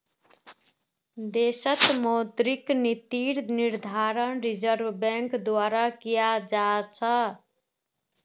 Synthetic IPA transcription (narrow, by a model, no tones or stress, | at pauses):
d̪esət̪mot̪ɾiknit̪iɾniɾd̪ʱaɾənɾid͡ʒəɾʋbɛ̃ŋkd̪waɾakijad͡ʒat͡ʃʰə